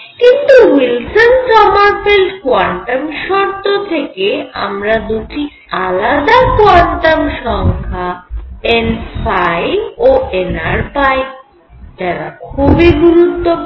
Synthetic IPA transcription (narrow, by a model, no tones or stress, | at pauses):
kint̪uwilsond͡ʑɔmaɾfelʈkoaɳʈamʃɔɾt̪ot̪ʰekea̰mɾad̪uʈi | alad̪akoaɳʈamʃɔŋkʰaenfajboenaɾpae | d͡ʒaɾa̰kʰubiɡuɾut̪ːo